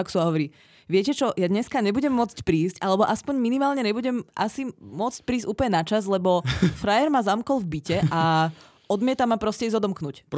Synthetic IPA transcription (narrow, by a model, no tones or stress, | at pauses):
aksuaɦɔʋɔɾiː | ʋɪɛcɛt͡ʃɔjad̪ɲɛskaɲɛbuɟɛmːʊɔt͡scpɾiːscʔalɛbɔʔaspɔɲminimaːlɲɛɲɛbuɟɛmʔa̰simʊɔt͡sc̚pɾiːzcuːplɲɛnat͡ʃazlɛbɔfɾajɛɾmazamkɔlvbicɛʔa | ɔd̪mɪɛt̪amapɾɔscɛizɔd̪ɔmknuc